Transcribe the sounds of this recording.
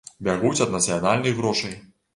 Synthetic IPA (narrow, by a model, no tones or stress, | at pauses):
bʲaɣut͡sʲɐd̪nɐt̪sɨjɐnalʲnɨjɣɾɔʂɐj